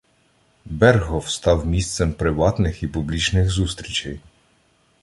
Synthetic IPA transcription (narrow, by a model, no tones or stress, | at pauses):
bɛrɦɔwst̪ɑwmʲist̪sɛmpɾɪʋɑt̪nɪxipublʲit͡ʃnɪxzust̪ɾʲit͡ʃɛj